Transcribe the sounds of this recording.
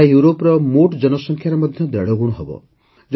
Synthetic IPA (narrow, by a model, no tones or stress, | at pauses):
juɾopɾɔmoʈd͡ʒɔnɔsɔŋkʰjaɾɔmɔd̪ʱjɔd̪ɛɽɔɡuɽ̃ɔɦɔbɔ̰ | d͡ʒ